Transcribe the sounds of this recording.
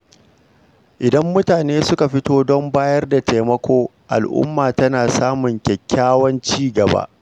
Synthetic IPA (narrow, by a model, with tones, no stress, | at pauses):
ʔɪ˨dɐ˦mːʊ˦taː˨neː˦sʊ˦ka˨ɸɪ˦toː˦dɔ˦mbaː˦jɐ˦rda˨te˨mɐ˦kʷoː˦ | ʔa̰˨lʔʊ̰˦mːaː˨tɐ˦naː˨saː˦mʊ˨ŋkʲɛ˨kʲːaː˦wɐ˦nt͡ʃiː˦ɡɐ˨ba̰˦ʔ